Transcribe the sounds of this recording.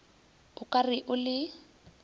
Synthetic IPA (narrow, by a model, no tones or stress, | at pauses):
ʊkʼarɪʔʊlɪ